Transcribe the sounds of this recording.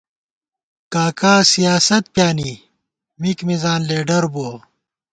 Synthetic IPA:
kaːkaːsijaːsɐt̪̚pjaːni | mikmizaːnleːɖɐɾboː

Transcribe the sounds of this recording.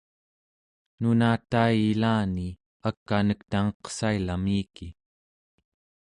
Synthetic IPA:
nunaːt̪ajilaːni | akːanəkt̪aŋʌqsailamiːki

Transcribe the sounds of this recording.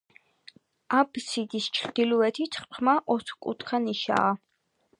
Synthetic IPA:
absid̪ist͡ʃʰɾd̪̥iluɛt̪ʰit̪ʰχpʰmaʔɔt̪ʰχkʼṵt̪ʰkʰaniʃa̰ː

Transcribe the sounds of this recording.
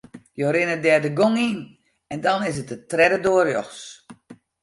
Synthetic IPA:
joɾɪnədɛːdəɡoŋin | ɛndɔnɪsət̚ətrɛdədoərjɔxs

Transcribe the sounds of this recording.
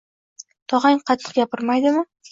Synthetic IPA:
t̪ʰɒʁaŋqʰɑt̪ʰːɨ̥qɡʲapɪɾmajd̪ɪmɪ

